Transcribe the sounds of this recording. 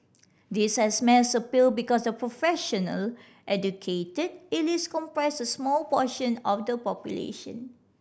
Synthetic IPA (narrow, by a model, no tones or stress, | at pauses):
dishɛsmɛ̃səpil̚bikɔsdəpɹofɛʃənə̰l | ʔɛd͡ʒukʰetəd̚ɪliskɔ̃mpɹɛsəsmɔlpɔʃə̃nɔfdəpɔpjulḛʃə̰̃n